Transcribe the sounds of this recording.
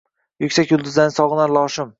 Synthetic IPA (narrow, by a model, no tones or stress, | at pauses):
jʊkʲsakʲjʊlˠd̪ʊzlanɪsɒʁɨnaɾlˠɒʃɪm